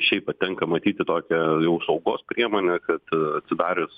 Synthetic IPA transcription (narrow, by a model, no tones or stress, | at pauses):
ʃʲɛɪpɐtt̪ʲɛŋkɐmɐt̪ʲiːt̪ʲɪt̪oːkʲɛjɛʊsɐʊɡoːspʲɾʲiɛmoːnʲɛkɐt̪ɐt̪ʲsʲɪd̪ɑːɾʲɪs